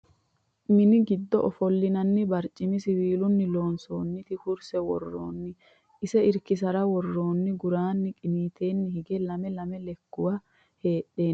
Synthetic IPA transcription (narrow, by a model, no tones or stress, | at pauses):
mɪnɪɡɪd̪ːɔ̰ʔɔfɔlːɪnɐnːɪbɐɾt͡ʃʼːɪmɪsɪwiːlʊnːɪlo̞ːnso̞ːnːɪt̪ɪkʊɾsɛwɔ̰rːo̰ːnːɪ | ʔɪsɛɪɾkɪs̬ɐɾɐwɔrːo̞ːnːɪɡʊɾaːnːɪkʼɪniːt̪ʰe̞ːnːɪhɪɡɛlɐmɛlɐmɛlɛkːʊwɐ | he̞ːʔːe̞ː